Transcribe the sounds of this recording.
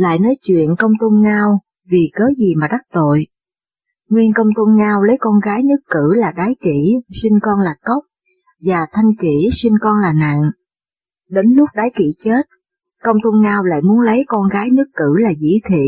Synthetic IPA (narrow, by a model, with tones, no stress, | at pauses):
la̰ː˧˨jnɔ˨˦jt͡ɕwḭ˧˨ənkə˧wŋ͡mt̪o˧nɲaː˧w | vi˨˩kəː˨˦zi˨˩maː˨˩ɗa˦˥k̚t̪o̰˧˨j | ŋwi˧ənkə˧wŋ͡mt̪o˧nɲaː˧wlə˨˦jkɔ˧nɣaː˨˦jnɨ˦˥kːɨ˧˩laː˨˩ɗaː˨˦jki˧˩si˧ŋ̟kɔ˧nlaː˨˩kə˦˥wk͡p̚ | vaː˨˩t̪ʰa˧jŋki˧˩si˧ŋkɔ˧nlaː˨˩na̰ː˧˨ŋ | ɗe˨˦nlʊ˦˥k͡p̚ɗaː˨˦jki˧˩t͡ɕe˦˥t̚ | kə˧wŋ͡mt̪o˧nɲaː˧wla̰ː˧˨jmu˨˦ənlə˨˦jkɔ˧nɣaː˨˦jnɨ˦˥əkːɨ˧˩laː˨˩zḭ˧˥t̪ʰḭ˧˨